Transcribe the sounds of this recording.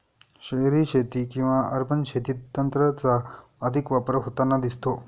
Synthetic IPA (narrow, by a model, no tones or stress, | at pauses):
ɕəjɾiɕet̪ikĩw̃ʋaʔəɾpʰənɕʰet̪it̪ːənt̪ɾət͡saəd̪ʱikʋapəɾɦot̪anːad̪ist̪o